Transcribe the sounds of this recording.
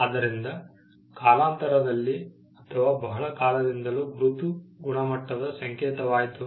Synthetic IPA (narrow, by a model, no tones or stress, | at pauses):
ad̪ɐɾind̪ɐ | kaːlaːnt̪ɐɾɐd̪ɐlːi | ɐt̪ʰɐʋaːbɐɦɐɭɐkaːlɐd̪ind̪ɐluːɡɾut̪uɡuɳɐmɐʈːɐdɐd̪ɐsɐŋkɛːt̪ɐʋaːjt̪u